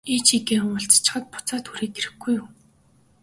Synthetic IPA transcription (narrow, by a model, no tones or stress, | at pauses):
it͡ɕʰikeːʊŋʊ̆ɬt͡sḁt͡ɕɪ̥̆χə̆t̪̚pʊ̥t͡sɔːt̪ʰxuɾeːk̪eɾɘ̆ɡujuː